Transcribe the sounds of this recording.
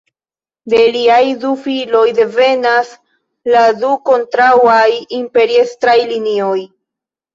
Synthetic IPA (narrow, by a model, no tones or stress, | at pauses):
de̞liajdufilo̞jde̞ve̞nas | laduko̞ntɾawajimpe̞ɾiestɾajlinio̞j